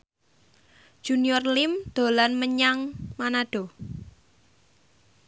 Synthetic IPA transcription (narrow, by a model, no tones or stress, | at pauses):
ʒ̥uniɔrlɪmd̪̥o̤lanməɲaŋmanaɖ̥ɔ̤